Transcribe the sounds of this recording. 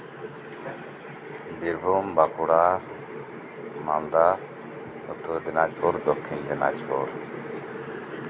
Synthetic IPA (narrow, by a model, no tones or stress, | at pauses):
biɾbʱumbakuɽaɾ | mald̪a | ɔ̰t̪od̪inad͡ʑpuɾd̪ɔkʰːind̪ina̰d͡ʑpṵɾ